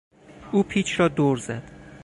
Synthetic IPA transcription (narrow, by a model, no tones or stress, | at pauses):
ʔuːpʰiːt͡ʃʰɾɒːd̪oɾzæd̪̥